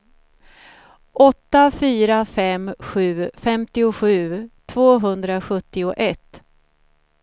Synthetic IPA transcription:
ʔɔt̪ːafyːɾafɛmɧʉ̟ːfɛmt̪ɪʊɧʉ̟ːt̪ʰvoːɦɵnd̪ɾaɧɵt̪ːɪʊʔɛt̪ː

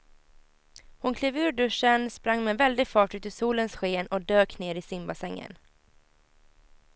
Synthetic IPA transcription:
hʊnkʰleːvʉ̟ːɾɖɵʂənspɾaŋːmɛnvɛld̪ɪɡfɑːʈʉ̟ːt̪ɪsuːlənsɧeːnɔd̪øːkneːɾɪsɪmbasɛŋːə̰n

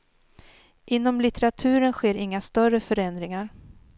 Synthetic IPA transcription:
ʔɪnːɔmlɪt̪ɛɾat̪ʰʉ̟ːɾənɧeːɾɪŋːast̪œɾəfœɾɛnd̪ɾɪŋaɾ

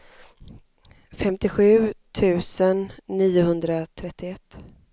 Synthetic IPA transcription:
fɛmt̪ɪɧʉ̟ːt̪ʰʉ̟ːsənːiːʊɦɵnd̪ɾat̪ʰɾɛt̪ːɪɛt̪ː

